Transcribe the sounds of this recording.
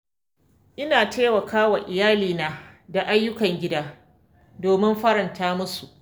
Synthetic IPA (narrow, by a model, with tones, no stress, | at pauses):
ʔɪ˦naː˨tʰeː˦wɐ˨kaː˦wa˨ʔɪ˨jaː˦liː˨naː˦da˨ʔa˦jːʊ˦kɐ˨ŋɡʲɪ˦daː˦ | doː˨mɪ˦mɸɐ˦ɾɐ˨ntaː˦mʊ˦su˨ʔ